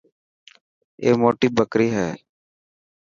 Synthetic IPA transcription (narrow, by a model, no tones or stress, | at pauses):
ḛːmoːʈiːbəkɾiːɦɛː